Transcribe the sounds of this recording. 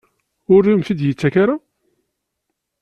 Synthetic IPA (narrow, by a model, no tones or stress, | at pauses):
ʊɾːimθid̪jət͡sːækaɾa